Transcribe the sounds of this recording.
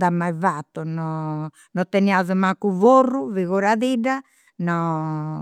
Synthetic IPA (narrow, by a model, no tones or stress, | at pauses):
d̪amajvat̪ːɔnɔ | nɔt̪ɛniazumakːuvoruviɣoɾaðiɖa | nɔ